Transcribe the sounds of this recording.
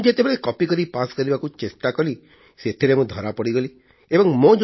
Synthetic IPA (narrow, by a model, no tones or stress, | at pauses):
d͡ʒet̪ebeɽekɔpikɔɾipaskɔɾibakũt͡ʃesʈakɔɾi | set̪ʰiɾemũd̪ʱɔɾapɔɽiɡɔli | ebɔŋmõd͡ʒ